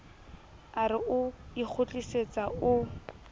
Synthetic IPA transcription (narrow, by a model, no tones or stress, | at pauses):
aɾɪʔʊik͡xʰʊt͡ɬʼiset͡saʔʊ